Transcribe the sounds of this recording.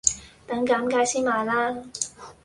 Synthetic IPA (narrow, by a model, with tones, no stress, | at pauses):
t̪ɐ˨˥ŋkaː˨˥mkaː˨˥jsiː˥nmaː˨˩laː˥